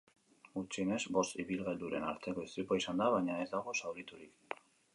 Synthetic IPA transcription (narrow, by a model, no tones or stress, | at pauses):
ɡut͡ʃine̞zbo̞st̪iβilɣeld̪uɾe̞na̰ɾt̪e̞ko̞ist̪ipaisand̪aβaɲae̞zd̪aɣ̞o̞sawɾit̪uɾik